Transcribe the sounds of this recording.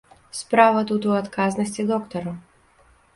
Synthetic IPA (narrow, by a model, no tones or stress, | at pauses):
spɾavɐt̪ut̪uat̪kaznɐsʲt͡sʲid̪ɔkt̪ɔɾu